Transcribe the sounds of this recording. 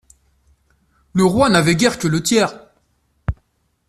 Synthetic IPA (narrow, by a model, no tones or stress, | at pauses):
ləʁwanavɛɡʲɛʁkʲələt̪jɛːʁ